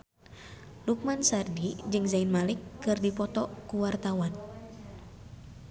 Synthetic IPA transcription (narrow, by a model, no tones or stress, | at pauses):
luk̚mansardid͡ʒɨŋzainmalikːɨrdipɔt̪ɔkuwart̪awan